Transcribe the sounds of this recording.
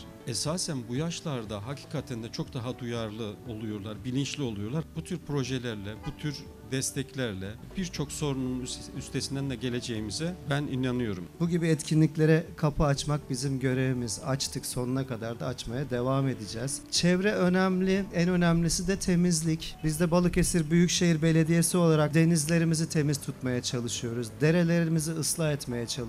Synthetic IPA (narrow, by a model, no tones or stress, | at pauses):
ɛsaːsænbujaʃlˠaɾd̪aɦacʰi̥ːkʰat̪ʰænd̪ɛt͡ʃʰo̞kd̪aɦad̪ujaɾlˠɯo̞lˠujo̞ɾlˠaɾbilʲint͡ʃlʲio̞lˠujo̞lˠaɾbut̪ʰyɾpʰɾo̞ʒelʲæɾlʲɛbut̪ʰyɾ | d̪ɛst̪ʰɛclʲæɾlʲɛ | biɾt͡ʃʰo̞kso̞ɾununnyst̪ʰe̞sind̪ænd̪ɛɟe̞lʲe̞d͡ʒejimizɛbæninanɯjo̞ɾumbuɟibiɛt̪cʰinlʲiclʲe̞ɾɛkʰapʰɯat͡ʃmak̚bizimɟø̞ɾe̞vimizat͡ʃt̪ʰɯkso̞nunakʰad̪aɾd̪aːt͡ʃmajad̪e̞vaːme̞d̪id͡ʒɛːz̥t͡ʃʰɛvɾɛønæmlʲɪænø̞næmlʲisid̪ɛt̪ʰe̞mizlʲicbizd̪ɛbalˠɯke̞siɾbyjycʃe̞jiɾbe̞lʲe̞d̪ije̞sio̞lˠaɾak̚d̪e̞nizlʲe̞ɾimizit̪ʰe̞miz̥t̪ʰut̪majat͡ʃʰalˠɯʃɯjo̞ɾuzd̪e̞ɾe̞lʲe̞ɾiimiziɯslˠaɛt̪me̞jɛt͡ʃʰalˠ